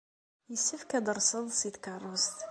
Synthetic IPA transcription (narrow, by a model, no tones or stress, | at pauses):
jəsːəfkæd̪əɾˤsəðˤsid̪kɑrˤːəst̪